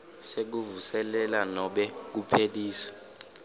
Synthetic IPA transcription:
sek̬uvusɛlɛlanɔɓɛk̬upʰeɗiːsḁ

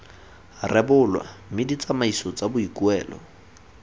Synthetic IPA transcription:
rʔɛbʊlwa̰mɪdit͡samaisɔt͡sabʊikuɛːlɔ̰

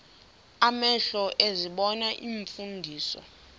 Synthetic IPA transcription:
amɛɬɔʔeziɓɔnaʔiɱfundʱiːsɔ̰

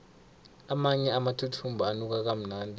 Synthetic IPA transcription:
amaɲɛamatʰutʰumbʱuanuk̬ak̬am̩naːndʱʼi

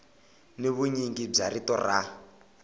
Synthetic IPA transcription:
neβuɲiŋɡib͡ʐaɾitɔra

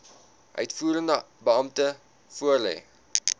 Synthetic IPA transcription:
ʔœ̰ɥtfuːɾəndə | bəɐmtə | fuərlɛ̰ː

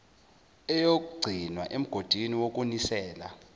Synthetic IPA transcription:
ɛjok̬ʼuɡ͡ǀʱinwa̰ʔem̩ɡ̥ʱod̥ʱiniwok̬ʼunisɛːla̰

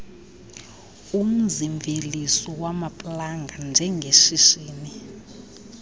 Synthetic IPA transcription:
um̩ziɱvʱelisɔwamapʼlaŋɡʱand͡ʒʱɛŋɡʱeʃiʃiːni

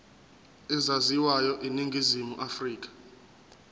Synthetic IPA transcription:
ɛzaziwajɔʔiniŋɡʱizimuʔafriːk̬ʼḁ

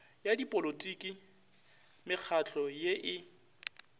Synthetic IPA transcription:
jadipʼolotʼikʼi | mɪk͡xʰat͡ɬʰʼɔjeʔɪ

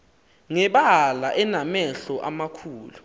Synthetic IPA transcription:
ŋɛɓalaʔɛnamɛɬɔʔamakʰuːlu

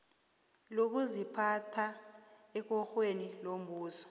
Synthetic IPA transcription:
lok̬uzipʰatʰaɛk̬ɔxwenilom̩buːsɔ̥

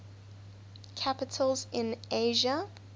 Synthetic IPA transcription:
kʰapɪtʰəlˠzɪ̃neɪʒə

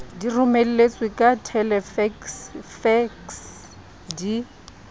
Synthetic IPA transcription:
dirʊmel̩let͡sʼwekʼatʰɛlɛfɛksfɛks | di

